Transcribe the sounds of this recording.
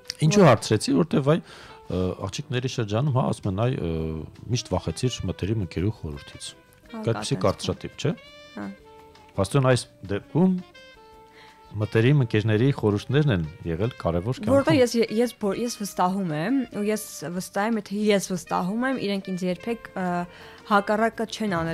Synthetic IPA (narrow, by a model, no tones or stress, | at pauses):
int͡ʃʰuhɑɾt͡sʰɾɛt͡sʰivɔɾɛt̪ɛvɑj | ɑ̰χt͡ʃʰiknɛɾiʃəɾd͡ʒɑnumhɑ̰ɑ̰sumɛnɑj | miʃt̪vɑχɛt͡sʰiɾmət̪ɛɾiməŋkɛɾuχɔɾuɾt̪ʰit͡sʰ | ɑjt̪̚pi̥sikɑɾt͡sʰɾɑt̪ip̚t͡ʃʰɛhɑ | pʰɑst̪ɔnɑjsd̪ɛp̚kʰum | ət̪ɛɾiməŋkɛɾnɛɾiχɔɾuɾt̪ʰnɛɾnɛnjɛʁɛlkɑɾɛvɔɾvɔɾɾət̪ɛjɛsɛjɛsbɔjɛsvəst̪ɑɦumɛmujɛsvəst̪ɑhɛmjɛt̪ʰɛjɛsvəst̪ɑ̰ɦumɛmiɾɛŋkʰint͡sʰjɛɾpʰɛkʰ | hɑkɑrɑkət͡ʃʰɛnɑnɛ